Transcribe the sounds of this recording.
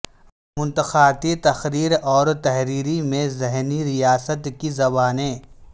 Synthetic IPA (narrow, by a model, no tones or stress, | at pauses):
mʊ̃nt̪əxaːt̪it̪ɐxɾiːɾɔːɾt̪ɐɦɾiːɾimẽzɪɦniɾijaːsət̪kizɐbaːnẽ